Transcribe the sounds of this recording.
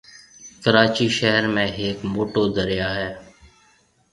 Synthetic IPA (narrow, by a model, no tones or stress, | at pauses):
kəɾaːt͡ʃiːʃəɦəɾmẽːɦeːkmoːʈoːd̪əɾɪjaːɦɛː